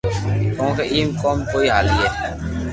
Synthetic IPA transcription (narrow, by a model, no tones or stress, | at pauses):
kõːkeʔiːmkoːmkoːiɦaːliɦɛː